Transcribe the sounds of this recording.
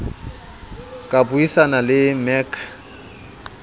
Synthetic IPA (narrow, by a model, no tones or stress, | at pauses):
kʼabuisanalɪmɛkʰ